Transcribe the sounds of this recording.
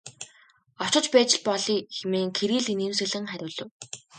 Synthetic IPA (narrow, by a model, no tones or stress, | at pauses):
ɔ̥t͡ɕɞ̆t͡ɕpæːt͡ɕɪ̆ɮpɔɮiːxemeːŋkʰeɾiːɮineːmsɘ̆ɮɘ̆ŋχæɾʲʊːɮɵ̆w